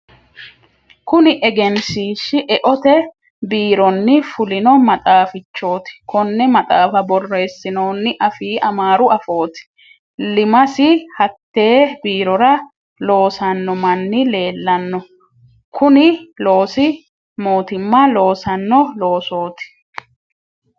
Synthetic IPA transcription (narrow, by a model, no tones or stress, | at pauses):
kʊnɪʔɛɡɛnsiːʃːɪʔɛʔɔt̪ɛ | biːɾɔnːɪfʊlɪnɔmɐt̪ʼaːfɪt͡ʃːo̞ːt̪ɪ̥kɔnːɛmɐt̪ʼaːfɐbɔrːe̞ːsːɪno̞ːnːɪʔɐfiːʔɐmaːɾʊɐfo̞ːt̪ɪ̥ | lɪmɐsɪhɐt̪ːe̞ːbiːɾɔɾɐ | lo̞ːsɐnːɔmɐnːɪle̞ːlːɐnːɔ | kʰʊnɪlo̞ːsɪ | mo̞ːt̪ɪmːɐlo̞ːsɐnːɔlo̞ːso̞ːt̪ɪ̥